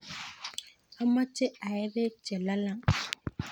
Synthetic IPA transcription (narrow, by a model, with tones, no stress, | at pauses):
a˦ma˦t͡ʃe˦a˨jɛ˦be˦t͡ʃɛ˨la˦la˦ŋ